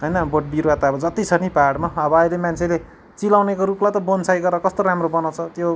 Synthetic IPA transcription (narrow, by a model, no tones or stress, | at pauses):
ɦʌjnʌboʈ̚biɾat̪aʌbʌd͡zʌt̪it͡sʰʌnipaɖmaʌbʌʌjlemant͡sʰele | t͡silawnekoɾuplajt̪ʌbonsajɡʌɾʌkʌst̪oɾamrobʌnaw̃t͡sʰʌt̪jo